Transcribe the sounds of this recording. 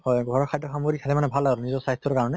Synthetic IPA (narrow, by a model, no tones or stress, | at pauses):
hɔjɡʱɔɹɔkʰajtɔxamoɾikʰatʰɛmanɛbʱalaɹunizɔsastʰːɔɔkaɹɔnɛ